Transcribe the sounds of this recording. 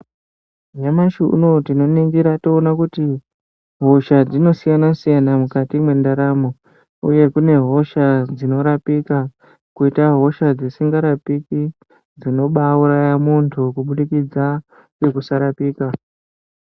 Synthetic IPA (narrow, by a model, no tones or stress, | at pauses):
ʒamaʃuṵno̞tino̞niŋɡiɾato̞ːnakuti | ɦo̞ʃad͡zino̞sijanasijanamukatimwe̞ndaɾamo | uje̞kune̞ɦo̞ʃad͡zino̞ɾapiːka | kuitaɦo̞ʃad͡zesiŋɡaɾapiki | d͡zino̞ɓauɾajamuntʰukuɓuɗikid͡za | kekusaɾapiːka